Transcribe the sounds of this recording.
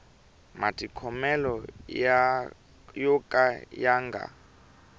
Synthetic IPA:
matʼikʰɔmɛlɔ | jɔkʼajaːŋɡa̰

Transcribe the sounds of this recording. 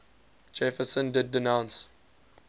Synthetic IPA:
d͡ʒɛfəsə̃ndɪdːɪnãʊ̃ns

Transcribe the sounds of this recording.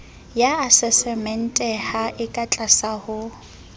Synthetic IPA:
jaasɛsɛmɛn̩tʼɛhaʔɪkʼat͡ɬʼasahʊ

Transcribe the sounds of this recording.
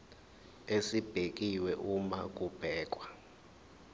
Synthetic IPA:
esib̥ʱek̬ʼiwɛʔuma̰k̬ʼub̥ʱɛːk̬ʼwa

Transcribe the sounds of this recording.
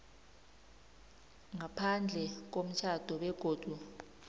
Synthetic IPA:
ŋapʰand͡ɮʱɛk̬om̩t͡ʃʰad̥ʱɔɓɛɡ̥ʱoːd̥ʱu

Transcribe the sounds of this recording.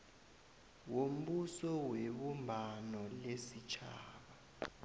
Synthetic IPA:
wom̩ɓusɔweɓumbʱanɔlesit͡ʃʰaːɓa

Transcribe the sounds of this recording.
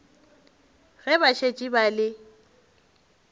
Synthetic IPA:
ɣɛbaʃʰet͡ʃʼibalɪ

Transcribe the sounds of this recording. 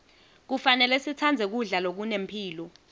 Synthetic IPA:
k̬ufanɛlɛsit͡sʰand͡zʱɛk̬uɮalok̬unempʰiːlɔ

